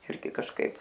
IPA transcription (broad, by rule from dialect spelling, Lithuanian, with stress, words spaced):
ˈɪrʲɡʲɪ kɐʃˈkɐɪp